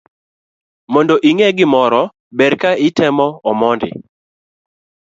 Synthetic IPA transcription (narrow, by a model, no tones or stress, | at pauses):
mɔndɔʔiŋɛɡɪmɔɾɔ | bɛɾkaɪtɛmɔɔmɔndɪ̰